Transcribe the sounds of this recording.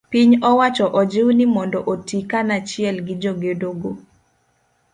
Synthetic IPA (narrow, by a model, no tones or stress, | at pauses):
piɲɔwat͡ʃɔʔɔd͡ʒɪwnɪmɔndɔʔotikanat͡ʃɪɛlɡɪd͡ʒoɡedoɡo